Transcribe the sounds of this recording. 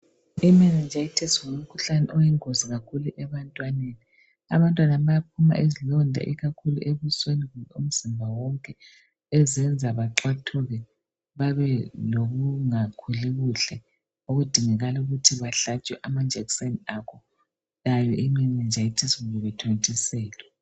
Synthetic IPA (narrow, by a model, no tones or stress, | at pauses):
imɛnɛnd͡ʒʱajitʰɛswolm̩kʰuɬanɛʔɔjɛŋoziɣakʰuluʔɛβantʼwaneni | a̰βantʼwanaβajap̚ʰuma̰ʔezilɔndʱa̰ʔiɣakʰuluʔeβusweniɣuum̩z̥imbʱawɔŋkʼɛ | ɛzɛnd͡zʱaβaǁwatʰuɣɛ | βaβɛloɣuŋakʰuliɣuɬɛ | oɣud̥ʱiŋɛɣaluɣutʰiβaɬat͡ʃʼwɛʔamad͡ʒʱɛkseniakʰɔ | lajɔʔiŋ͡ǃiɲɛnd͡ʒʱajitʰisiɣuβɛβɛtʰantʰʼisɛːlwɛ